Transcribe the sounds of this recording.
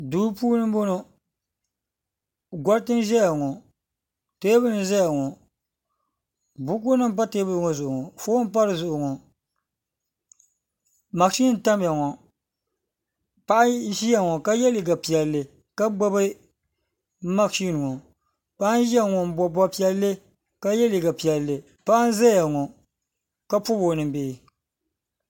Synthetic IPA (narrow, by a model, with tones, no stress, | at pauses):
duː˦puː˦nɨ˦m˦bo˦no˨ | ɡʷɔ˦ɾtɨ˦n˦ʒɛ˦ja˨ŋɔ˨ | te˦bɨ˦n̩˨zɛ˦ja˨ŋɔ˨ | bʊ˦k̬ʊ˦nɨ˦m˦p̬a˦teː˦bɨ˦˨ŋɔ˨zʊ˨ʔʊ˨ŋɔ˨fo˦m˦pa˦ɾɨ˨zʊ˨ʔʊ˨ŋɔ˨ | ma˨kʃi˦n˨ta˦m˨a˨ŋɔ˨ | pa˦ʔa˦ʒi˦ja˨ŋɔ˨ka˦jɛ˦li˨ɡa˨pi˨ɛ˨lːɨ˨ | ka˦ɡ͡ba˦bɨ˦ | ma˦kʃi˦n˨ŋɔ˨ | pa˦ʔa˦n˦ʒi˦a˦ŋɔ˨m̩˦bɔ˨bɔ˦pi˦ɛ˦lːɨ˦ | ka˦jɛ˦li˨ɡa˨pi˨ɛ˨lːɨ˨ | pa˦ʔa˦n˦za˦ja˨ŋɔ˨ | ka˦pʊ˦bo˨nɨ˨mbeː˨